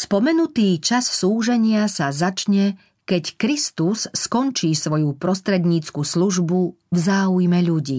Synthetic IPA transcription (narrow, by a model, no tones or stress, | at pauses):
spɔmɛnut̪iːt͡ʃassuːʒɛɲɪasazat͡ʃɲɛ | kɛckɾist̪usːkɔnt͡ʃiːsʋɔjupɾɔst̪ɾɛd̪ɲiːt͡skusluʒbu | vzaːujmɛʎuɟḭː